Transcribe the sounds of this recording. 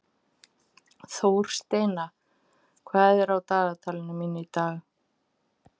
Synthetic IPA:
θowɾ̥st̪eːjna | kʰvaːðɛɾawt̪aːðat̪ʰaːlɪnʏmiːnɪit̪aːɣ

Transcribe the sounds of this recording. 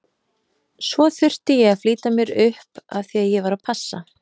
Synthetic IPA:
svɔθʏr̥t̪ɪjɛɣafliːt̪amjɛɾʏhpa̰ðθiaðjɛvaɾapʰasːa̰

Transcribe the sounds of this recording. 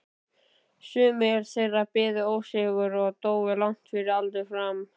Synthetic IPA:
sʏːmɛɾsɛrapɪːðʏowsɛɣʏɾɔɣt̪oːwɪlawŋ̥t̪fɪɾɪɾalt̪ʏfɾam

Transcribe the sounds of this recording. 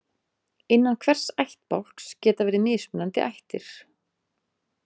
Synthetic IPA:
ɪnːankʰvɛr̥sajht̪̚pawlkscɛːt̪avɛːɾɪmɪːspʏnant̪ɪ̰ʔajht̪ɪɾ̥

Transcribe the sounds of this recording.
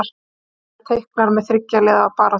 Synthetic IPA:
ɾ | t̪ʰejhknaɾmɛðθɾɪcːalɛðapaːɾa

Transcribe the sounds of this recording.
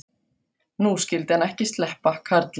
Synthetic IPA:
nuːscɪlt̪anɛhcɪst̪lɛhpakʰaɾt̪l

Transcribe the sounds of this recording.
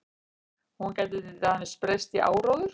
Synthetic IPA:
huncaːjt̪ɪt̪ɪt̪ahanɪ̥spɾejst̪iʔa̰ːwɾoːwðʏɾ̥

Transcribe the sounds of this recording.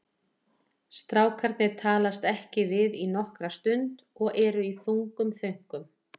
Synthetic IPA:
st̪ɾaːwkʰaɾt̪nɪt̪ʰaːlast̪ɛhcɪvɪðinɔhkɾast̪ʏnt̪ | ɔɣɛɾʏiθuŋkʏmθœɥŋ̥kʏm

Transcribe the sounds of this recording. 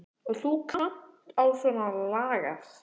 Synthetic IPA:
ɔɣθukʰam̥t̪awsɔnalaːɣa̰

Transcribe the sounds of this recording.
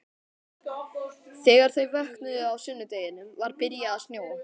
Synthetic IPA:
θɛːɣaɾ̥θœɥvœhknʏðʏawsʏnːʏt̪ejɪnʏmvaɾpɪɾjaðasnjoːw

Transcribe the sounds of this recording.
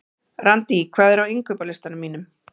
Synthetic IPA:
rant̪ikʰvaːðɛɾawiŋkʏpalɪst̪anʏmːiːnʏm

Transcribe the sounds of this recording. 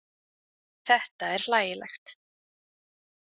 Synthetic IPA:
θɛht̪aɛɾ̥laːjɪlɛ̰xt̪

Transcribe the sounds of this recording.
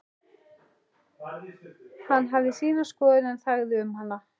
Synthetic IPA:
hanːɦavðɪsiːnaskɔːðɪnɛnθaɣðɪʏmhala

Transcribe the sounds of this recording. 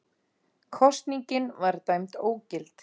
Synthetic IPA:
kʰɔst̪niɲcɪnvaɾt̪ajmt̪oːwcɪlt̪

